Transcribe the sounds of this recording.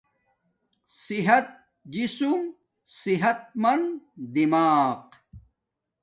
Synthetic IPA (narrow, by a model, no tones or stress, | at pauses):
siɦɐt̪̚ | d͡ʑisum | siɦɐt̪̚mɐnd̪imaːq